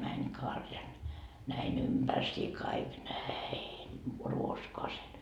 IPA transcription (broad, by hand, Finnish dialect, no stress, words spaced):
mænʲ kɑrjɑn næin ympærsiː kɑik næin ruoskoɑsen